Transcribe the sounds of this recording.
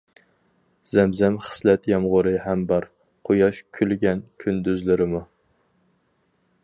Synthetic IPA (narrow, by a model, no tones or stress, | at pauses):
z̥ɛmzɛmχə̥slɛt̪jɑmʁʊɾɨhɛmbɑɾ | qʰojɑʃkʲʰylɡʲɛnkʲʰynd̪yzlɪɾɪmu